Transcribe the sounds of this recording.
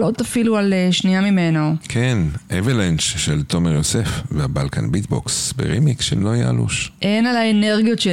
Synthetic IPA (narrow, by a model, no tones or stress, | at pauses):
lotafilualeʃniamime̞nokʰenʔevilenʃʃelt̪o̞meʁjosefveabalka̰nbit̪bo̰ksbḛʁḭmikʃḛmloaja̰a̰lṵʃʔenalaene̞ʁɡijo̞tʃe